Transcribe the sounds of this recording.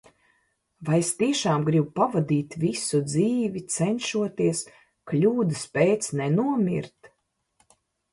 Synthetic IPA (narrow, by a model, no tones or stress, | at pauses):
vajest̪iɛʃaːmɡɾibpavad̪iːt̪visud̪ziːvit̪sɛnʃuɔt̪iɛs | klʲuːd̪ɨspʲɛːt̪snɛnuɔmʲḭɾt̪